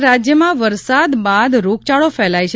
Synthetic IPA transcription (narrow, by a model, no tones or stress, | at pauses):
ɾad͡ʒjəmãʋəɾsad̪bad̪ɾok̚t͡ʃaɭofɛlajt͡ʃʰ